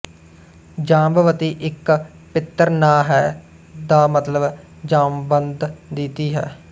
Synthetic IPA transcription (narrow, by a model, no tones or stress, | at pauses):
d͡ʒãːmbʋət̪iːʔɪk | pɪt̪ːəɾnaːɦɛː | d̪aːmət̪ləb | d͡ʒaːmbənd̪d̪iːt̪iːɦɛː